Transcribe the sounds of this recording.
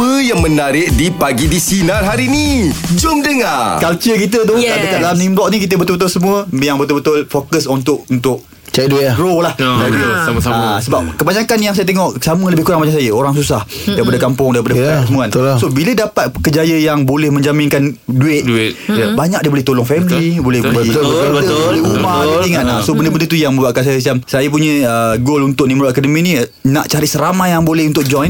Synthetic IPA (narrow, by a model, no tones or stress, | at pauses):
pəjaŋmənaɾɪʔ̚dipaɡidisinanɦaɾinid͡ʒʊmdəŋakalt͡ʃəkit̪̬ət̪̬ɔhk̪aʔdəkat̪̚laamnimlɔʔ̚nĩk̬it̪əbət̪ʊlbət̪̬ʊlsəmũəjaŋbət̪ʊlbət̪ʊlfokəsunt̪ʊʔunt̪ʊʔ | t͡ʃɛduɡɾolahdaamsaasəbap̚kəbaɲakanjaŋsajət̪eŋɔʔsamələbɪhkuɾaŋbaɲasajəoɾaŋsusah | daɾipadakampʊŋdaɾipadafsəmuansobilədapat̪̚kəd͡ʒajəjaŋbolɛhmə̃ɲd͡ʒamɪ̃nkanduɪt̪̚dt̪jbaɲak̚diəbolɛht̪olɔŋfɛmlibolɛhbolbədboleumaiŋanlasobəndəbəndət̪ujaŋmə̃baʔkans̬ajəs̬iamsajap̬uɲə̃əɡolunt̪ʊʔ̚nimɾoakadəmĩninaʔt͡ʃaɾisəɾamajjaŋbolɛhunt̪ʊʔ̚d͡ʒɔn